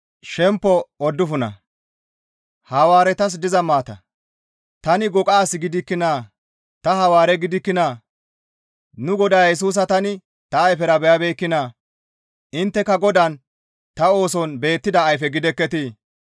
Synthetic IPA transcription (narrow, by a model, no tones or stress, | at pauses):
ʃɛmpːɔɔd̪ːʊfʊnɐ̰ | hɐwaːɾɛt̪ɐs̬d̪ɪzɐmaːt̪ɐ̰ | t̪ɐnɪɡɔkʼaːsɪɡɪd̪ɪkːɪnaː | t̪ɐɦɐwaːɾɛɡɪd̪ɪkːɪnaː | nʊɡɔd̪ɐjjɛs̬uːs̬ɐt̪ɐnɪ | t̪ɐːjfɛɾɐbɛjɐbeːkːɪna | ʔɪnt̪ːɛkːɐɡɔd̪ɐn | t̪ɐo̞ːsɔnbe̞ːt̪ːɪd̪ɐːjfɛɡɪd̪ɛkːɛt̪i